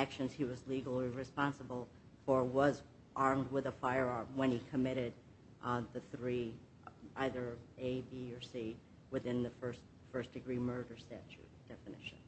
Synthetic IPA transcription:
ækʃɨ̃nz̥hiwʌzliɡl̩ˠiɹɨspɑ̃nsəbl̩ˠ | fə˞wʌz | ʔɑɹmd̚wɪðəfaɪə˞ɑɹmwə̃nikʰɨmɪɾɪd̪̚ | ðɨθɹi | ʔaɪðə˞eɪbiə˞si | wɨθɪ̃nðɨfɜ˞st | fɜ˞sd̥ɨɡɹimɜ˞ɾə˞sæt͡ʃə̰˞ḭd̥ɛfɨnɪ̰ʃɨ̃n

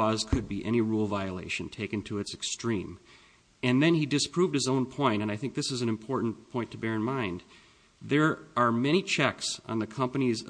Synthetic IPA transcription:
ɔz̥kʰɨd̚biʔɛɾ̃iɹulˠvaɪɨlḛɪʃɨ̃ntʰeɪkɨ̃ntʰɨɨtsɨkstɹ̥ĩm | ɨ̃nðɨ̃nidɨspʰɹ̥uvd̚ɨzõʊ̃npʰɔ̃ɪ̃ñtɨ̃naɪθɪ̃ŋk̚ðɪsɨz̃n̩ɨ̃mpʰɔɹʔn̩pʰɔ̃ɪ̃ntʰɨbɛɹɨ̃nmãɪ̃n | ðə˞ə˞mɛɾ̃it͡ʃʰɛksn̩ðɨkʰʌ̃mpɨniz

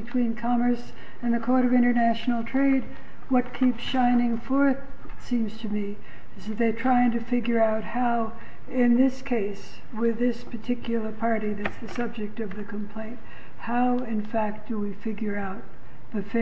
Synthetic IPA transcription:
ɨtʰw̥ĩnkʰɑmə˞s | ɨ̃nðɨkʰɔɹɾʌvɪ̃ɾ̃ə˞næʃn̩l̩ˠtʰɹ̥eɪd̚ | wʌt̚kʰipsʃãɪ̃nɪ̃ŋfɔɹθ | sĩmz̥tʰɨmi | ɨzðɨt̪̚ðeɪtʰɹ̥aɪɪ̃ŋtɨfɪɡjə˞aʊt̚haʊ | ɪ̃nðɪskʰeɪs | wɪðɪspʰə˞tʰɪkʰjl̩ˠə˞pʰɑɹɾiðɨtsðɨsʌb̚d͡ʒɨk̚tʌvðɨkʰɨ̃mpʰl̥ẽɪ̃nt̚ | haʊɪ̃nfæk̚t̚d̥əwifɪɡjə˞aʊt̪̚ | ðɨf

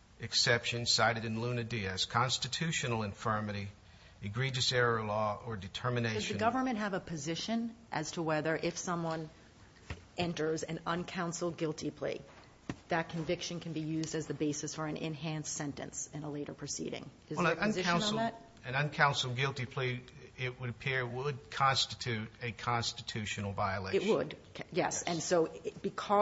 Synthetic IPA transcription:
ɨksɛpʃɨ̃nsaɪɾɨɾɨ̃nlunɨdiɛskʰɑ̃nstɨtʰʉʃɨnl̩ˠə̃ɱfɜ˞mɨɾi | ɨɡɹid͡ʒɨsɛɹəlɔə˞dɨtʰɜ˞mɨneɪʌzʃðɨɡʌvə˞mɨ̃nʔ̚ɦəvəpʰɨzɪʃɨ̃nʔɨ̰z̥tʰəwɛðə˞ʔɪfsʌ̃mwʌ̃n | ʔɛ̃ntə˞zɨ̃nə̃nkʰãʊ̃nsl̩ˠɡɪlˠtipʰl̥ḭ | ðɨt̚kʰɨ̃ɱvɪkʃɨ̃nkʰɨ̃n̩bijʉzdɨzðɨbeɪsɨsfə˞ɨ̃nʔɪ̰̃nɦæ̃nsɛ̃ntɨ̰̃nsɨ̃nəleɪɾə˞pʰɹ̥ɨsḭɾɪ̰̃ŋ | ɨzzɪãʊ̃ñn̩ðæt̚ | ɨ̃nʌ̃nkʰãʊ̃nsl̩ˠɡɪlˠtipʰl̥iɪt̚wəɾɨpʰɪɹwəd̚kʰɑ̃nstɨtʰʉɾɨkʰɑ̃nstɨtʰʉʃn̩l̩ˠbaɪɨlˠɪ̰ɨʔ̚wədʰ | jɛsɨ̃nsoʊb̥ɨkʰʌ

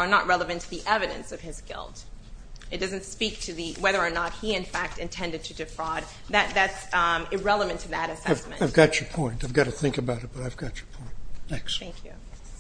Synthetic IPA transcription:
ə˞nə̰ʔ̚ɹɛlˠəvɨ̃ntʰɨðiʔɛvɨɾɨ̰̃nsʌv̥ɪzɡɪ̰lˠt | ɨt̚d̥ʌzɨ̃n̩tspik̚tʰɨðɨwɛðə˞ːnət̚hiɨ̃nfæk̚tɨ̃ntʰɛ̃ndɨd̚tʰɨdɨfɹɔd̪̚ | ðɨt̪̚ðætsɪɹɛlˠəvɨ̃ntʰɨðɨɾɨsɪsmɨ̰̃naɪvɡɑt͡ʃə˞pʰɔ̃ɪ̃ntaɪvɡɑɾɨθɪ̃ŋkɨbaʊɾɨt̚b̥ʌɾaɪvɡɑt͡ʃə̥˞pʰɔ̃ɪ̃ntnɛksθæ̃ŋkʰjʉ̰

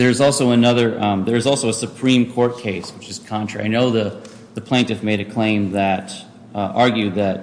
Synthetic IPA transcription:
ðə˞ɨzɔlˠsoʊənʌðə˞ʔðə˞ɨzɔlˠsoʊəsɨpʰɹ̥ĩmkʰɔɹt̚kʰeɪswɨt͡ʃɨz̥kʰɑ̃nt͡ʃʰɹ̥ɛ̰ʔa̰noʊðɨ | ðəpʰl̥ẽɪ̃ntɨvmeɪɾɨkʰl̥ẽɪ̃mðɨt | ʔɑɹɡjʉd̪̚ðɨt̚

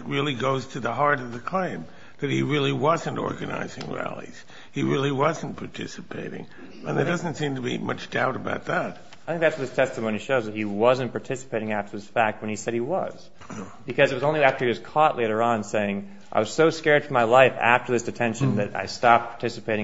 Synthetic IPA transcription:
t̚ɹɪlˠiɡoʊz̥tʰɨðəɦɑɹɾʌvðɨkʰl̥ẽɪ̃m | ðɨt̚hiɹɪlˠiwʌzɨ̃ntɔ̰ɹɡɨna̰ɪzɪ̰̃ŋɹæ̰lˠḭz̥ | hiɹɪlˠiwʌz̃npʰɑɹtʰɪ̰sɨpʰeɪɾɪ̰̃ŋ | ɨ̃nðɨd̥ʌz̃n̩tsĩmtʰɨbḭmʌt͡ʃd̥aʊɾəbaʊt̪̚ðæt̚ | aɪθɪ̃ŋk̚ðætswʌt̪̚ðɨstʰɛstəmõʊ̃niʃoʊzðɨt̚hiwʌzɨ̃npʰɑɹtʰɪsə̥pʰeɪɾɪ̃ŋæftə˞ðɪsfæk̚t̚wɨ̃nisɛɾ̚hiwʌz̥ | b̥ɨkʰʌzɨt̚wʌzõʊ̃liæftə˞iwʌz̥kʰɔʔˡleɪɾə˞ə̃nseɪɪ̃ŋ | ʔaɪwʌz̥soʊskɛɹd̥fə̃maɪlaɪfæ̰ftə˞ðɪsd̥ɨtʰɛ̃nʃɨ̃nðɨɾʔa̰ɪstɑp̚t̚pʰɑ̥˞tʰɪsɨpʰeɪɾɪ̃

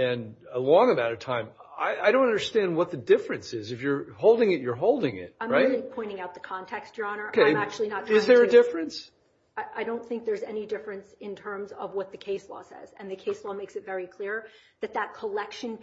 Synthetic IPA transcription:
ɨ̃nəlɔ̃ŋəbaʊɾɨtʰãɪ̃ma̰ɪaɪɾõʊ̃ñʌ̃ndə˞stæ̃nd̚wʌt̪̚ðɨdɪfɹɨ̃nsɪzɨfjə˞hoʊlˠdɪ̃ŋɨt͡ʃjə˞ɦoʊlˠdɪ̃ŋɪ̰t̚ãɪ̃ɹaɪipʰɔ̃ɪ̃ɾɪ̃ŋaʊt̪̚ðɨkʰɑ̃ntʰɛkstə˞ɑnə˞akʰeɪ̃mæk̚t͡ʃul̩ˠinət̚ɪzðə˞ɨdɪfɹɨ̃ns | aʔaɪɾõʊ̃nθɪ̃ŋk̚ðə˞zɛnidɪfɹɨ̃nsɨ̃ntʰɜ̃˞mzʌvwʌt̪̚ðɨkʰeɪslɔ̰sɛ̰zɨ̰̃nðɨkʰeɪslɔmeɪksɨt̚vɛɹikʰl̥ɪɹðɨt̪̚ðɨt̚kʰəlɛkʃɨ̃n

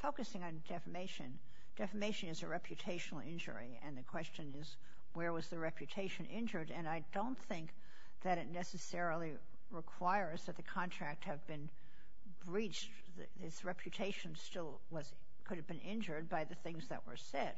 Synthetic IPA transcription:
foʊkɨsɪ̃ŋɨ̃ndɛfə˞meɪʃɨ̰̃n | d̥ɛfə˞meɪʃɨ̃nɨzɨɹɛpʰjɨtʰeɪʃn̩l̩ˠɪ̃nd͡ʒə̰˞ḭɨ̰̃nðɨkʰw̥ɛst͡ʃɨ̃nɪz | wə˞wʌzðɨɹɛpʰjɨtʰeɪʃɨ̃nʔɪ̃nd͡ʒə˞ɾɨ̃naɪdõʊ̃nθɪ̃ŋk̚ | ðɨɾɨtⁿnɛsɨsɛɹl̩ˠi | ɹɨkʰw̥aɪə˞zðɨt̪̚ðɨkʰɑ̃ntʰɹ̥æk̚t̚hɨvbɨ̃n | bɹit͡ʃ | ð̰ | ðɪsɹɛpʰjɨtʰeɪʃɨ̃n̩stɪlˠ | wʌz | kʰʊɾɨvbɨ̃nʔɪ̃nd͡ʒə˞d̚baɪðɨθɪ̃ŋzðɨ̰ʔwə̰˞sɛd̥

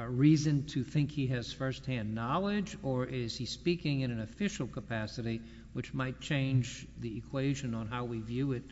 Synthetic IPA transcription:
ɹizɨ̃ntʰɨθɪ̃ŋkhiɨz̥fɜ˞st̚hæ̃nːɑlˠɪd͡ʒə˞ʔɪz̥ispikɪ̃ŋɨ̃ñɨ̃nɨfɪʃl̩ˠkʰəpʰæsɨɾi | wɨt͡ʃmaɪt̚t͡ʃʰẽɪ̃nd͡ʒðiɨkʰw̥eɪʒɨ̃nə̃nɦaʊwivjʉɪt̚

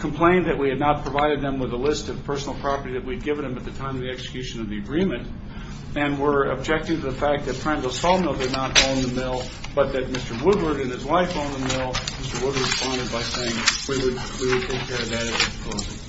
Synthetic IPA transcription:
kʰm̩pʰl̥ẽɪ̃nðɨʔ̚wiɨdⁿnət̚pʰɹ̥ɨvaɪɾɨd̪̚ðɨ̃mwəðəlɪstʌv̥pʰɜ˞sn̩l̩ˠpʰɹ̥ɑpə˞ɾiðɨt̚wiɨd̚ɡɪvɨ̃nɨ̃mɨt̪̚ðɨtʰãɪ̃mʌvðiɛksɨ̥kʰj̥ʉʃɨ̃nʌvðiɨɡɹĩmɨ̃nt | ɨ̃nwɪ˞ɨ̰b̚d͡ʒɛk̚tɨ̃ŋtʰɨðɨfæk̚ðɨtʰɹ̥ãɪ̃mtəsɔlˠmɪlˠdədⁿnəɾõʊ̃nðɨmɪlˠ | b̥ʌt̪̚ðɨt̚mɪstə˞wʊd̚wə˞ɾɨ̃nɨzwaɪfõʊ̃nðɨmɪlˠmɪstə˞wʊd̚wə˞dfɑ̃ndɨd̚baɪseɪɪ̃ŋwiwəd̚ | wiwɨd̚tʰeɪkʰɛɹʌvðɨɾɨzɨ̥kʰl̥oʊzɪ̰̃ŋ

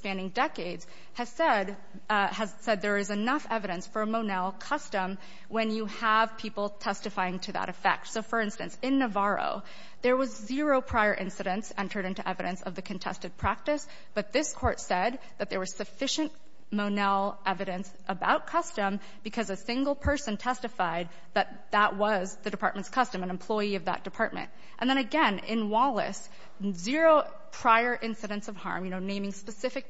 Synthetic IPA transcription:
spæ̃ndɪ̃ŋdɛkeɪdz̥ | ɨz̥sɛd | ɨzsɛd̪̚ðə˞ɨzɨnʌfɛvɨɾɨ̃nsfə˞ɨmoʊnɛlˠkʰʌstə̃m | wɨ̃njɨəv̥pʰipl̩ˠtʰɛstɨfaɪɪ̃ŋtʰɨðə̰ɾʔɨfɛ̰k̚tsoʊfə˞ɪ̃nstɨ̰̃nsɨ̃nːɨvɑɹo̰ʊ | ðə˞wʌzːɪɹoʊpʰɹ̥aɪə˞ʔɪ̰̃nsɨɾɨ̃ntsɛ̃ntʰə˞ɾɪ̃ntuʔɛvɨɾɨ̃nsʌvðɨkʰɨ̃n̩tʰɛ̰stɨd̚pʰɹ̥æk̚tɨs | b̥ʌt̪̚ðɪskʰɔɹtsɛd̪̚ | ðɨt̪̚ðə˞wʌz̥sɨfɪʃɨ̃nʔ | moʊnɛlˠʔɛvɨɾɨ̃nsʔəba̰ʊt̚kʰʌstə̃m | b̥ɨkʰʌzɨsɪ̃ŋɡl̩ˠpʰɜ˞sɨ̃ntʰɛstɨfaɪd̪̚ | ðɨt̪̚ðəʔ̚wʌzðɨdɨpʰɑ̰ɹt̚mɨ̃ntskʰʌstɨ̃mə̃nɨ̃mpʰl̥ɔɪiʌvðə̰t̚d̥ɨpʰɑɹt̚mɨ̰̃nt̚ | ʔɨ̃nðɨ̃ñɨɡɛ̃nɪ̰̃nwɑlˠɨ̰s | zɪɹoʊ | pʰɹ̥aɪə˞ʔɪ̃nsɨɾɨ̃ntsʌv̥hɑ̰ɹmjɨñoʊnẽɪ̃mɪ̃ŋspɨsɪfɨk̚

